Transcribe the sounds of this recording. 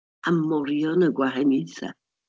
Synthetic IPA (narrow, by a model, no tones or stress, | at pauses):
amɔɾjɔnəɡwaɦɛniθa̰